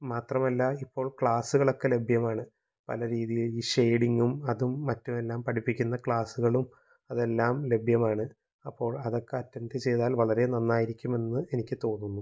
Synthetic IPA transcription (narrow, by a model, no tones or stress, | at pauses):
maːt̪rɐmɐlːɐipːo̞ːɭkɭaːsuɣɐɭo̞kːe̞le̞bʱjɐmaːɳɨ | pɐ̰lɐɾiːðijiɭiːɕejɽiŋɡumɐðumːɐtːume̞lːaːmpɐʈʰipːikʲːunːɐkɭaːsuɣɐɭum | ɐðe̞lːaːmle̞bʱjɐmaːɳɨ | ɐpːo̞ːɭɐðo̞kːeɐtːɐnd̪ɨt͡ɕe̞jðaːlʋɐɭɐɾe̞nɐnːaːjiɾikʲːume̞nːɨe̞nikʲːɨt̪o̞ːnːunːum